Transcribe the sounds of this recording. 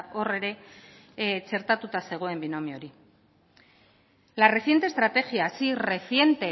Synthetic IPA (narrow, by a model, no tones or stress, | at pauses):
o̞re̞ɾe̞ | t͡se̞ɾt̪at̪ut̪ase̞ɣ̞oe̞mbino̞mio̞ɾi | lare̞θje̞nt̪eːst̪ɾat̪e̞xjiasire̞θje̞nt̪e̞